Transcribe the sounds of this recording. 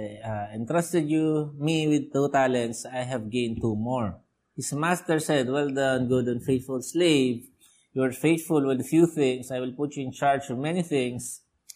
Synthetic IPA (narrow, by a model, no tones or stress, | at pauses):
aɪ̃nt̪ɹʌst̪ɛd̪jumiwɪd̪̚t̪ut̪alɛ̃nt̪sajɦɛvɡẽj̃n̚t̪umɔɹ | hɪsmast̪ɛɹsɛd̪̚wɛld̪ãnɡʊd̪ə̃nfeɪt̪fʊlsleɪv | juɛɹfeɪt̪fʊlwɪd̪fjuθɪ̃ŋsajwɪlpʊtjuɪ̃nt͡ʃaɹd͡ʒɔmɛniθɪ̃ŋs